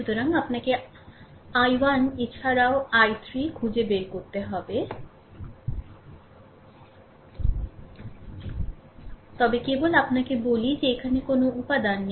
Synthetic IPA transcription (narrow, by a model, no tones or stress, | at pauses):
ʃut̪oɾaŋapnake | ajwanet͡ɕʰaɾaoajt̪ɾikʰud͡ʑebeɾkoɾt̪eɦɔbe | t̪ɔbekebolapnakebolid͡ʑeekʰanekonoupad̪anːe